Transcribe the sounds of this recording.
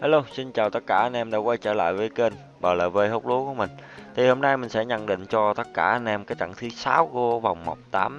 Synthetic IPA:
haː˧˦lo˧si˧nt͡ɕaː˨˩wt̪ə˦˥t̚kaː˧˩ʔa˧n̟ʔɛ˧mɗa̰ː˧˥kwa˧jt͡ɕəː˧˩la̰ː˧˨jvəː˨˦jke˧n | ɓəː˨˩lə̰ː˨˩və˧jho˦˥k͡p̚lu˨˦ku˧˩əmï˨˩ŋ̟t̪ʰi˨˩ho˧mna˧jmï˨˩ŋ̟sɛ̰˧˥ɲə̰˧˩˨nɗḭ˧˨ŋ̟t͡ɕɔ˧t̪ə˦˥t̚kaː˧˩ʔa˧n̟ʔɛ˧mkaː˨˦j̚t͡ɕa̰˧˩ŋt̪ʰɨ˨˦saː˨˦wko˨˦va˨˩wŋ͡mmo˨˩k͡p̚t̪aː˨˦m

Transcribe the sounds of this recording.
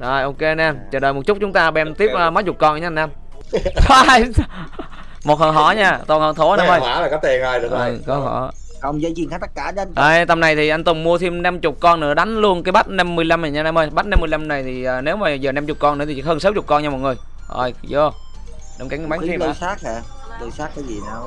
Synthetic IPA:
zɔ˨˩jʔo˧ke˧naː˧mt͡ɕəː˨˩ɗəː˨˩jmo˨˩t̚t͡ɕʊ˦˥k͡p̚t͡ɕʊ˨˦ŋ͡mt̪aː˧ɓɛ˧mt̪i˦˥p̚ʔəː˨˧ma˨˦˥t̚t͡ɕʊ˨˩k͡p̚kɔ˧n˧˨ɲaː˧˩naː˧mʰ˧ | j | mo˨˩t̚hə˨˩nɦɔ̰˧˩˦ɲaː˧˩t̪o˨˩nhəː˨˩nt̪ʰo˨˦naː˨˧˨mʔəː˧˩waː˧˩˦laː˨˩kɔ˨˦t̪e˧˩naː˧jɗɨ˨˩ʔkɨ˧˨˩kɔ˨˦hɔ̰˧˩˦ | ə˧˩wŋ͡mzəː˨˦zi˨˩nkʰaː˦˥t̪ə˦˥t̚kaː˧˩˧ʔaː˧˩jt̪ə˨˩mna˨˩jt̪ʰi˨˩ʔa˧jŋ̟t̪ʊ˨˩ŋ͡mmu˧ət̪ʰi˧mna˧mt͡ɕʊ˨˩k͡p̚kɔ˧nːɨ̰˧˥əɗa˨˦jŋ̟lu˧ənkaː˨˦jɓa˦˥t̚na˧mːɨ˧əjla˧ma˨˩ɲaː˧naː˧mʔəː˧jɓa˦˥t̚na˧mːɨ˧əjla˧mna˨˩jt̪ʰi˨˩ʔəː˨˩ne˨˦wmaː˨˩zəː˨˩na˧mt͡ɕʊ˨˩k͡p̚kɔ˧nɨ̰˧˥t̪ʰi˨˩i˨˦həː˧nsa˨˦wt͡ɕʊ˨˩k͡p̚kɔ˧nɲa˧mɔ̰˨˩t̚ŋɨ˨˩əj | ʔo̰˧˩jzo˧˩ | ɗa˧˩mka˨˦ŋ˧˦ɓa˨˦ŋʰ˦i˧˨saː˦˥k̚ɛ˧˩ | t̪ɨ˨˧˩saː˦˥t̚kaː˨˦jzi˨˩naː˨˧˩w

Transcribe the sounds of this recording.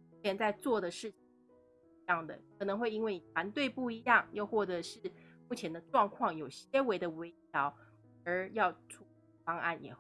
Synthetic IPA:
jɛ˧˥nt͡sa˥˧ɪt͡swɔ˥˩d̪ə˩ʂɻ̩˥˩t͡ɕʰi˩ | i˧˥jɑ˥˩ŋd̪ə̰˩kʰɤ˨˩nɤ˧˥ŋxwe˥˩ɪi˥nwe˥˩ɪni˨˩t̪ʰwa˧˥nt̪we˥˧ɪpu˥˩i˧˥jɑ˥˩ŋjo˥˧ʊxwɔ˥˩ʈ͡ʂɤ˧˥ʂɻ̩˥˩mu˥˩t͡ɕʰjɛ˧˥nd̪ə˧ʈ͡ʂwɑ˥˧ŋkʰwɑ˥˩ŋjo˨˩ʊɕɛ˥we˧˥ɪd̪ə˨we˧˥ɪjɑ˧˥ʊ | ə˧˥jɑ˥˩ʊʈ͡ʂʰu˧˥ | ɑ˥ŋa̰˥˩njɛ̰˨˩

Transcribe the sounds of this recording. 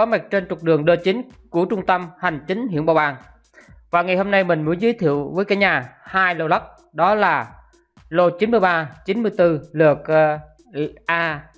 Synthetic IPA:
ɔ˨˦ma˨˩k̚t͡ɕe˧nt͡ɕʊ˨˩k͡p̚ɗɨ˨˩əŋɗəː˧t͡ɕï˨˦nku˧˩ət͡ɕʊ˧ŋ͡mt̪ə˧mha˨˩jŋ̟t͡ɕï˨˦ŋ̟ɦḭ˧˨ənɓaː˨˩wʔaː˨˩ŋ | vaː˨˩ŋa˨˩jho˧mna˧jmï˨˩ŋ̟mu˨˦ənzɨ˨˦jt̪ʰḭ˧˨əwvəː˨˦jkaː˨˦jɲaː˨˩haː˧jlo˧lə˦˥k̚ | ɗɔ˨˦laː˨˩ | lo˧t͡ɕi˨˦nmɨ˧əjɓaː˧t͡ɕi˨˦nmɨ˧əjt̪ɨ˧lɨ˨˩ək̚ː | ʔaː˧

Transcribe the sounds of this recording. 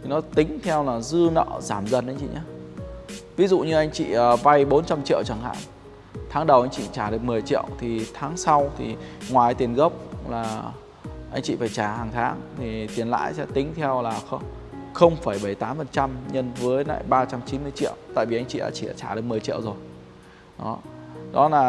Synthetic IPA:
t̪ʰi˨˩nɔ˨˦t̪ï˨˦ŋ̟t̪ʰɛ˧wlaː˨˩zɨ˧nɔ̰ː˧˨zaː˧˩mzə˨˩nʔjŋ̟t͡ɕḭ˧˨ɲaː˨˦ | vi˨˦zṵ˧˨ɲɨ˧ʔa˧jŋ̟t͡ɕḭ˧˨əː˨˩va˧jɓo˨˦nt͡ɕa˧mt͡ɕḭ˧ə˨wt͡ɕa˧˩ŋha̰ː˧˨ŋ | t̪ʰaː˨˦ŋɗə˨˩wʔa˧jŋt͡ɕḭ˧˨t͡ɕaː˧˩ɗɨ˨˩ək̚mɨ˨˩əjt͡ɕḭ˧˨əwt̪ʰi˨˩t̪ʰaː˨˦ŋsa˧wt̪ʰi˨˩ŋwaː˨˩˦t̪i˨˩ənɣə˦˥wp̚laː˨˩ | ʔa˧jŋ̟t͡ɕḭ˧˨faː˧˩jt͡ɕaː˧˩haː˨˩ŋt̪ʰaː˨˦ŋt̪ʰi˨˩t̪i˨˩ənla̰ː˧˨jsɛ̰˧˥t̪ï˨˦ŋ̟t̪ʰɛ˧wlaː˨˩xə˧wŋ͡mxə˧wŋ͡mfaː˧˩jɓə˧˩jt̪aː˨˦mfə˨˩nt͡ɕa˧mɲə˧nvəː˨˦jla̰ː˧˨jɓaː˧t͡ɕa˧mt͡ɕi˨˦nmɨ˧əjt͡ɕḭ˧˨əwt̪a̰ː˧˨jvi˨˩a˧jŋ̟t͡ɕḭ˧˨ʔa̰ː˧˥t͡ɕi˧˩ɗa̰ː˧˥t͡ɕaː˧˩ɗək̚m˨əjt͡ɕḭ˧˨əwzo˨˩j | ɗɔ˨˦ɗɔ˨˦laː˨˩

